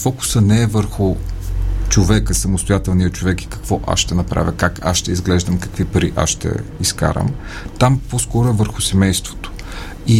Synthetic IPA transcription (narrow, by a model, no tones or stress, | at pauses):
fɔkʊ̥sənɛɛvəɾxʊ | t͡ʃovɛkəsɐmʊst̪ʊjat̪ɛlˠnijət͡ʃovɛki̥kɐ̥kvɔʔa̰sʃt̪ɛnɐpɾa̰vʲəkaka̰sʃt̪ɛizɡlɛʒd̪əmkɐ̥kvipɐɾiʔa̰sʃt̪ɛ̰iska̰ɾə̰m | t̪amposkɔɾʊɛvəɾxʊsɛmɛjst̪vo̥t̪o̥ | i